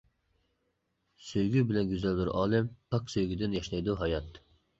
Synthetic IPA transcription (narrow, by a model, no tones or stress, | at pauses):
søjɡʲybɪlɛnɡʲyzæld̪yɾʔɑːlˠɪmpʰɑksøjɡʲyd̪ɪnjɑʃlˠɑjd̪uɦɑjɑt̪